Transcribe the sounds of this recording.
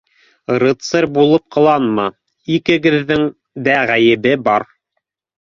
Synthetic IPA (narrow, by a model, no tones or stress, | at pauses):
ɾɤ̆t̪sɤɾbulˠɤp̚qʰɤ̆lˠɑnmɑ | ikɘ̆ɡɘ̆ðːɘŋ | d̪æʁæjɘ̆bɘbɑɾ